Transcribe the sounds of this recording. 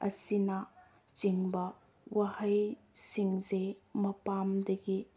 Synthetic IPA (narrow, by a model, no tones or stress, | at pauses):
ɐ̰sinɐ | t͡ʃiŋbɐ | wɐhɐj | siŋzemɐpamdɐɡi